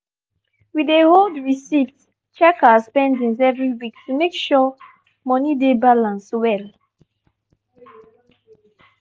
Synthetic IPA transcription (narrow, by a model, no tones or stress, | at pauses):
wideholdɹisift | t͡ʃɛkaspɛ̃ndĩŋzɛvɹiwiktʰumekʃɔ | mɔnidebalãnswɛl